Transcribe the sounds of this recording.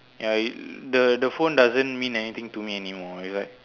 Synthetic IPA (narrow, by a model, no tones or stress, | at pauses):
jaidədəfõndazə̃nmĩnɛnit̪ĩŋtumiɛnimɔislaɪk̚